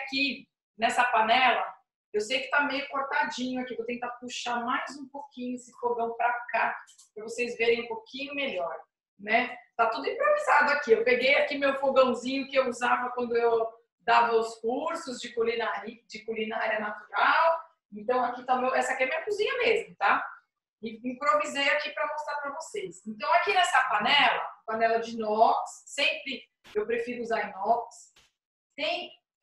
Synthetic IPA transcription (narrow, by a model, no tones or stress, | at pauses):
ki | nɛsɐpanɛlɐ | ewsejkɪ̥t̪amejʊkoɾt̪ad͡ʒĩɲʊakivowt̪ẽt̪apuʃamajzũpokĩɲʊesɪfoɡɐ̃w̃pɾaka | ɾɐvosejzveɾẽj̃ũpokĩɲʊmeʎɔɾ | nɛt̪at̪ud̪ʊĩpɾovizad̪ʊakiewpeɡejakimewfoɡɐ̃w̃zĩɲʊkɪewuzavɐkwɐ̃nd̪ʊew | d̪avɐʊskuɾsʊzd͡ʒɪkolĩnaɾid͡ʒɪkolĩnɐaɾɐnat̪uɾaw | ẽnt̪ɐ̃w̃akit̪ãmewɛsɐkɛɐmĩɲɐkuzĩɲɐmezmʊt̪a | ɪĩpɾovizejakipɾɐmõst̪aɾpɾɐvosesẽnt̪ɐ̃w̃akinɛsɐpanɛlɐpanɛlɐd͡ʒɪnɔksːẽmpɾɪ | ewpɾefiɾʊuzaɾnɔks | t̪ẽj̃